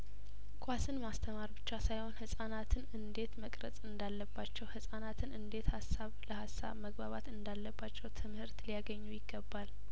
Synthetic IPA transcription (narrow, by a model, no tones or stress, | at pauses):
kʰʼʷasɨnmast̪ʰəmaɾbɨt͡ʃːasajho̞nhɨsʼanat̪ʰɨnɨnd̪e̞t̪məkʼɾəsʼɨnd̪alːəbːat͡ʃːɛwhɨsʼanat̪ʰɨnʔɨnd̪e̞t̪hasːaβləhasːa̰βməɡbaβat̪ɨnd̪alːəbːat͡ʃːɛwt̪ʰɨmhɨɾt̪lijaɡəɲːujɪɡːəbːal